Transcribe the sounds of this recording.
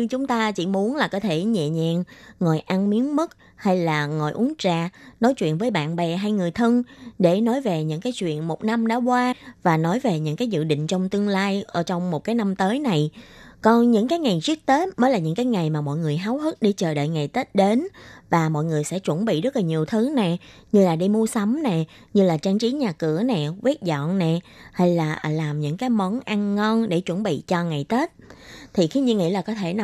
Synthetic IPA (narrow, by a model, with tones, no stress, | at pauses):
ɲɨ˧ŋt͡ɕʊ˨˦ŋ͡mt̪aː˧t͡ɕḭ˧˩mu˨˦ənlaː˨˩kɔ˨˦t̪ʰe˧˩ɲɛ̰˧˨ɲɛ̰˧˨nŋɔ˨˩jʔa˧nmi˨˦ənmɨ˦˥k̚ | ha˧jlaː˨˩ŋɔ˨˩jʔu˨˦ənt͡ɕaː˧˩nɔ˨˦jt͡ɕwḭ˧˨ənvəː˨˦jɓa̰ː˧˨nɓɛ˨˩ɦa˧jŋɨ˨˩əjt̪ʰə˧ŋɗe˧˩nɔ˨˦jve˨˩ɲɨ̰˧˥kaː˨˦jt͡ɕwḭ˧˨ənmo˨˩t̚na˧mɗɔ̰˧˥˦kwaː˧vaː˨˩nɔ˨˦jve˨˩ɲɨ̰˧˥ŋkaː˨˦jzɨ̰˧˨ɗḭ̈˧˨ŋ̟t͡ɕɔ˧wŋ͡mt̪ɨ˧əŋlaː˧jʔəː˧˩t͡ɕɔ˧wŋ͡mmo˨˩t̚kaː˨˦jna˧mt̪əː˨˦jna˨˩jkɔ˨˦ɲɨ̰˧˥ŋkaː˨˦jŋa˨˩jzi˦˥ək̚t̪e˦˥t̚məː˨˦laː˨˩ɲɨ̰˧˥ŋkaː˨˦jŋa˨˩jmaː˨˩mɔ̰˧˨jŋɨ˨˩əjɦaː˨˦whɨ˦˥t̚ɗe˧˩t͡ɕəː˨˩ɗə̰ː˧˨jŋa˨˩jt̪e˦˥t̚ɗe˨˦nvaː˨˩mɔ̰˧˨jŋɨ˨˩əjsɛ̰˧˥t͡ɕwə˧˩nɓḭ˧˨zə˦˥t̚laː˨˩ɲi˨˩əwt̪ʰɨ˨˦nɛ˨˩ɲɨ˧laː˨˩ɗi˧mu˧əsa˨˦wmnɛ˨˩ | ɲɨ˧laː˨˩t͡ɕaː˧ŋt͡ɕi˨˦ɲaː˨˩kɨ˧˩ənɛ˨˩kwi˦˥ət̚zɔ̰˧˨nnɛ˨˩ha˧jlaː˨˩ʔlaː˨˩mɲɨ̰˧˥ŋkaː˨˦jmɔ˨˦nʔa˧ŋːɔ˧nɗe˧˩t͡ɕwə˧˩nɓḭ˧˨t͡ɕɔ˧ŋa˨˩jt̪e˦˥t̚t̪ʰi˨˩xi˧ɲɨ˧ŋḭ˧˥laː˨˩kɔ˨˦t̪ʰe˧˩n˨